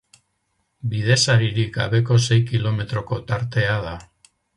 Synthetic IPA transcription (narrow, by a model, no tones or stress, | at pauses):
biðe̞saɾiɾika̰βe̞ko̞se̞jkilo̞me̞t̪ɾo̞ko̞t̪aɾt̪e̞aða